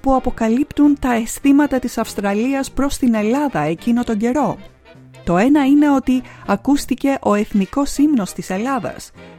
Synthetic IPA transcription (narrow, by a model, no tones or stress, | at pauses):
puɐpo̞kɐlipt̪unt̪ɐe̞st̪imɐt̪ɐt̪isɐfst̪ɾɐliɐspɾo̞st̪ine̞lɐðɐe̞cino̞t̪o̞ɲɟe̞ɾo̞ | t̪o̞e̞nɐine̞o̞t̪iɐkust̪ice̞ʔo̞e̞θniko̞simno̞st̪ise̞lɐðɐ̰s